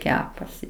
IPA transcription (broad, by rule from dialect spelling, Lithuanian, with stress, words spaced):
ˈkʲæːpɐsʲɪ